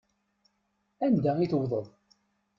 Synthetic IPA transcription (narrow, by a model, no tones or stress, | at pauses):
ænd̪æiθwðˤəðˤ